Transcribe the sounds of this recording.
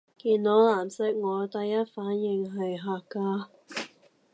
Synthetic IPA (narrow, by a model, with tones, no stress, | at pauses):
kiː˨˧nːɔː˨˥laː˨˩msɪ˥k̚ŋɔː˨˧˥t̪ɐ˨jːɐ˥t̚faː˨˥njɪ˨ŋɦɐ˨jɦaː˨kːaː˧˥